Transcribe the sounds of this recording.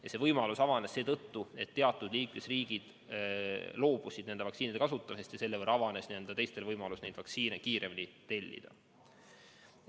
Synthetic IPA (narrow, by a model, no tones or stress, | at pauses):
jɑse̞vɤjmɑlusɑvɑnesse̞ːt̪ɤt̪ːue̞t̪ːe̞ɑt̪ːˑud̪̥liːkme̞sriːɡ̥id̪̥ | lo̞ːb̥usid̪ne̞nd̪evɑksiːnid̪ekɑsut̪ːˑɑmisest̪jɑse̞lːeɤrɾɑvɑne̞snie̞nd̪̥ɑt̪e̞jst̪e̞lvɤjmɑlusnejd̪vɑksiːnekiːɾʔemlʲit̪e̞lʲːḭd̪̥ɑ